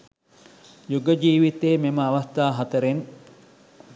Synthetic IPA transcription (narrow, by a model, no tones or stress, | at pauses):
juɡəd͡ʒiːʋit̪eːmeməaʋast̪aːɦɐt̪əɾen